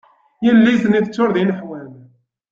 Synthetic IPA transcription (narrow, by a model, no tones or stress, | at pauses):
jəlːijθniθət͡sːʊɾðinəħwæn